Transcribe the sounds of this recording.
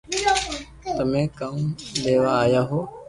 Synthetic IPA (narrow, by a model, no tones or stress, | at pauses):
t̪ɐmẽːkaũd̪eːʋaaːjaːɦoː